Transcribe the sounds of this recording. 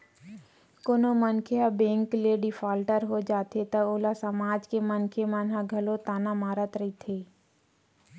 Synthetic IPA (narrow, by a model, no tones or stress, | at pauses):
konomənkʰeabẽːŋkleɖɪfʰaːlʈəɾɦod͡ʒaːt̪ʰet̪ɐoːlasɐmaːd͡ʒkemənkʰemənɦãɡʱɐlot̪aːnamaːɾət̪ɾɐit̪ʰeː